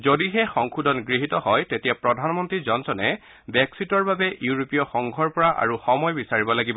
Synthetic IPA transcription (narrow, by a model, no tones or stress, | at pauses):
zodiɦɛxɔŋkʰudʱɔnɡɹiɦitɔɦɔjtetijapɹɔdʱanmɔntɹizɔnsɔnɛ | bɛksitɔɹbabɛjuɹopijɔxɔŋɡʱɔɹpɔɹaʔa̰ɹuxɔmɔjbisaɹibɔlaɡibɔ